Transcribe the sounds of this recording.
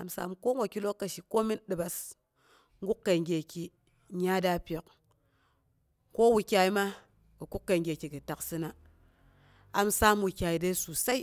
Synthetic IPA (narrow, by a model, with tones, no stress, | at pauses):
a̰˨msa̰˨mko˦ŋ˦wa˨kʲi˦lo˦kːa˨ʃi˨ko˦mi˦nɗɨ˨ba˨s | ŋ̩˦ɡu˦kːe˨ŋɡʲe˨kʲi˨ | ɲa˦da˦pʲe˨k | ko˦wu˧kʲa˧i˦ma˦ | kɨ˨ku˦kːe˨ŋɡʲe˨kʲi˨kɨ˨ta˨ksɨ˦na˨ | a˨msa˦mwu˨kʲa˨i˨de˦su˨sa˦i˦